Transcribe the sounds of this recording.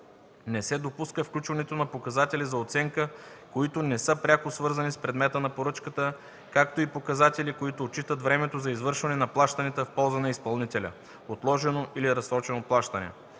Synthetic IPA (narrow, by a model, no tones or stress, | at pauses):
nɛsɛd̪opuskəfklʲut͡ʃvɐnɛt̪onɐpokɐzat̪ɛlʲizɐot̪sɛŋkəkoit̪onɛsɤpɾʲakosvɤɾzɐnispɾɛd̪mɛt̪ənɐpoɾɤt͡ʃkət̪ə | kak̚t̪oipokɐzat̪ɛlikoit̪oːt͡ʃit̪ət̪vɾɛmɛt̪ozɐizvɤɾʃvɐnɛnɐplˠaʃt̪ɐnɛt̪əfpɔlˠzənɐispɐlˠnit̪ɛlʲə̰ | ot̪lˠɔʒɛnoʔiliɾɐsɾɔt͡ʃɛnoplˠaʃt̪ɐnɛ̰